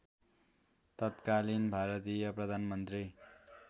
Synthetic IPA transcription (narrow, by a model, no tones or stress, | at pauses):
t̪ʌt̪kalinbʱaɾʌt̪ijʌprʌd̪ʱanmʌnt̪ri